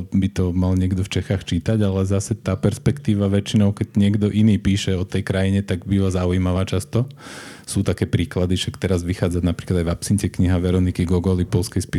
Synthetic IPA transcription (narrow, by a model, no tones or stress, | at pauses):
bit̪ɔmalɲɪɛɡd̪ɔft͡ʃɛxaːxt͡ʃiːt̪aɟalɛzasɛt̪aːpɛɾspɛkt̪iːʋaʋɛt͡ʃinɔʊkɛɟɲɪɛɡd̪ɔʔiniːpiːʃɛɔt̪ɛjkɾajiɲɛt̪aɡbiʋazauimaʋaːt͡ʃast̪ɔ | suːt̪akɛːpɾiːklad̪iʃakt̪ɛɾazʋixaːd͡zaɟnapɾiklad̪ajvapsiɲcɛkɲiɦaʋɛɾɔnikiɡɔɡɔlipɔlskɛjspi